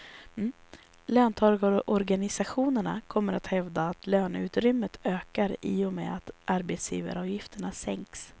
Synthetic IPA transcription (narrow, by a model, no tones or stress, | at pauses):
løːnt̪ʰɑɾɡʔɔɾɡanɪsaɧuːnəɳa̰kʰɔmːəɾat̪hɛvd̪aːt̪løːnʉ̟ːt̪ɾʏmːət̪ʰøːkaɾiːɔmɛ̰ːat̪ʔaɾbet̪sjḭːvə̰ɾɑːvjɪft̪əɳasɛŋks